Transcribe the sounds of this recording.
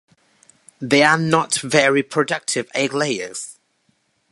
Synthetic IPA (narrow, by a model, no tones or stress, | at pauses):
ðeɪənətvɛɹipʰɹ̥ədʌk̚tʰɪvɛɡleɪə̰z̥